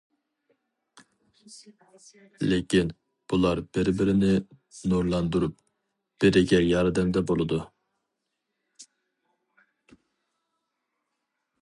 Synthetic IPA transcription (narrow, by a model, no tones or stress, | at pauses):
lekʲin | b̥ulˠɑɾb̥ɪɾbɪɾɪnɪ | nuɾlˠɑnd̪uɾup̚ | b̥ɪɾɪɡʲɛjɑɾd̪ɛmd̪ɛbolˠɨd̪u